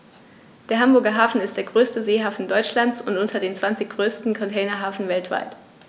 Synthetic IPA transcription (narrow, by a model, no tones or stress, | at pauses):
d̥eːɐɦambʊɐɡɐɦaːfn̩ɪst̚d̥eːɐɡʁøːstəzeːɦaːfn̩dɔʏt͡ʃlant͡sʊntʔʊntʰɐdeːnt͡sv̥ant͡sɪçɡ̥ʁøːstn̩kʰɔntʰɛɪnɐɦaːfn̩vɛltv̥a̰ɪt